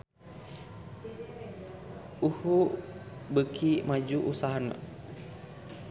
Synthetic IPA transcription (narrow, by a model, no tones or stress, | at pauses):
uhu | bəkʰimad͡ʒuʔusaɦana̰